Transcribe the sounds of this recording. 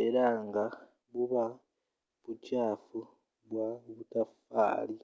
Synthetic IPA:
elaːŋɡa | βuβa | βucaːfu | βwaβutafa̰ːli

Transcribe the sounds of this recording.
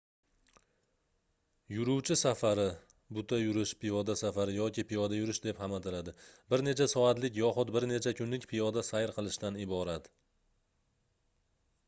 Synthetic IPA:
jʊɾʊwt͡ʃʰɪsafaɾɪ | bʊt̪ʰajʊɾɪʃpʰɪjɒd̪asafaɾɪjɒkʲɪpijɒd̪ajʊɾɪʃd̪e̞phamat̪ʰɪlad̪ɪbɪɾne̞t͡ʃʰasɒat̪lɪkʲjɒχʊt̪bɪɾne̞t͡ʃʰakʰʲʊnlɪkʲpʰijɒd̪asajɾqʰɨlˠɪʃt̪anɪbɒɾat̪

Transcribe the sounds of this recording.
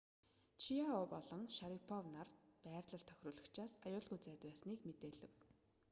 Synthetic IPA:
t͡ɕʰijaopɔɮɞ̆ŋʃaɾipʰɔwnarpæːrt̪ɮə̆ɬt̪ʰœ̥xʲrʊːɮə̆kt͡ɕʰaːsajʊːɮɣujt͡sæːt̪pæːsniːkmet̪eːɮɘ̆w

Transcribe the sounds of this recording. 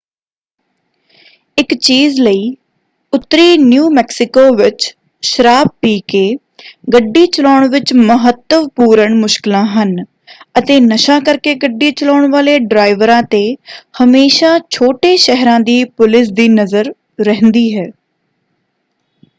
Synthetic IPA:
ɪkt͡ʃiːzləiː | ʊt̪ːɾiːnjuːmɛːksɪkoːʋɪt͡ʃ | ʃəɾaːb̚piːkeː | ɡəɖːiːt͡ʃəlaːɳʋɪt͡ʃməɦət̪ːəʋpuːɾəɳmʊʃkɪlãːɦən | ət̪eːnəʃaːkəɾkeːɡəɖːiːt͡ʃəlaːɳʋaːleːɖɾaːɪʋəɾãːt̪eːhəmeːʃaːt͡ʃʰoːʈeːʃɛɦɾãːd̪iːpʊlɪs̬d̪iːnəzəɾ | ɾɛɦənd̪iːɦɛː

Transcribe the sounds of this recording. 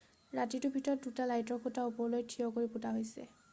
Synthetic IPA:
ɹatitʊbʱitɔt̚dutalajtɔkʰutaupɔɹlojtʰːiɔkoɹiputaɦojsɛ̰

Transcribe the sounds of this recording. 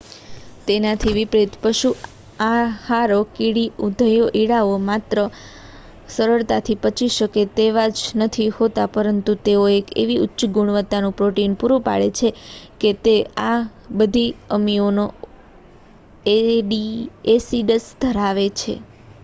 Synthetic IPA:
t̪enat̪ʰiʋipɾet̪pəʃu | ahaɾokiɽiud̪ʱəjoʔiɽaomat̪ɾə | səɾəɭt̪at̪ʰipət͡ʃʰiʃəket̪eʋad͡ʒnət̪ʰihot̪apəɾənt̪ut̪eoekḛʋiʊtːʃəɡuɳ̃ʋət̪ːanũpɾoʈinpuɾupa̰ɭet͡ʃʰeket̪eabəd̪ʱiəmiono | eɖiesiɖəsd̪ʱəɾaʋet͡ʃʰḛ

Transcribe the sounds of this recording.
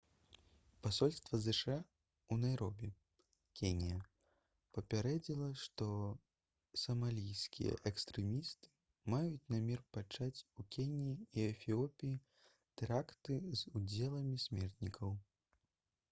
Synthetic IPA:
pasɔlʲst̪vɐzɛʂa | unajɾɔbʲɛ | kʲenʲijɐ | pɐpʲaɾɛd͡zʲilˠɐʂt̪ɔ | sɐmalʲijskʲḭjɐ̰ʔɛkst̪ɾɛmʲist̪ɨ̥ | majut͡sʲnamʲɛrpat͡ʂat͡sʲukʲenʲiiiɛfʲiɔpʲiji | t̪ɛɾakt̪ɨzud͡zʲɛlˠɐmʲisʲmʲɛrt̪nʲikʰɐw

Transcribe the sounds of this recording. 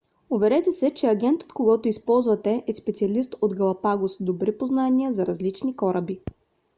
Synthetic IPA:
ʊvɛɾɛt̪ɛsɛt͡ʃɛɐɡʲɛnt̪ə̥t̪koɡɔt̪ʊispɔlˠzvɐt̪ɛʔɛspɛt̪siɐlist̪od̪ɡɐlˠɐpaɡosd̪obɾipoznanʲiəzɐɾɐzlit͡ʃnikɔɾəbi

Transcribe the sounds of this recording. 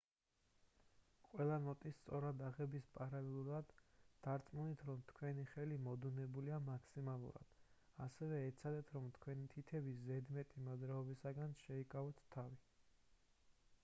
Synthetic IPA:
qʼwɛlˠanɔt̪ʼist̪sʼɔɾad̪aʁɛbispʼaɾalɛlˠuɾad̪ːaɾt̪sʼmunit̪ʰɾɔmt̪ʰkʰwɛniχɛlimɔd̪unɛbuliamakʰsimalˠṵɾa̰d̪̥ | asɛvɛːt̪sʰad̪ɛt̪ʰɾɔmt̪ʰkʰwɛnit̪ʰit̪ʰɛbiszɛd̪mɛt̪ʼimad̪ɾaɔbisaɡanʃɛikʼavɔt̪ʰːavi

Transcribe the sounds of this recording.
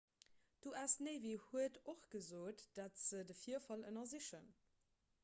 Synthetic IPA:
d̥oasneɪvihuətoχɡ̥əzoːtd̥atz̥ədəfiːɐfɑlənɐziʃən

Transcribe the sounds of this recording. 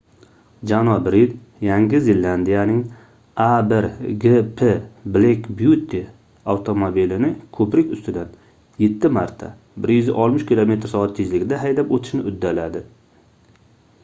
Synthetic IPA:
d͡ʒanɒbɾid̪ | jaŋɡʲɪzɪlːand̪ijanɪŋ | abɪɾɡepʰeblekʲbjut̪ʰːɪ | awt̪ʰomobilɪnɪkʰɵpɾɪkʲʊst̪ɪd̪an | jet̪ʰːɪmaɾt̪ʰa̰ | bɪɾjʏzɪ̰ʔɒlˠmɪʃkʲɪlˠome̞t̪ʰɪɾsɒat̪ːʰɪzlɪɡʲɪd̪aɦajd̪apot̪ʰɪʃnɪʔʊd̪ːalad̪ɪ

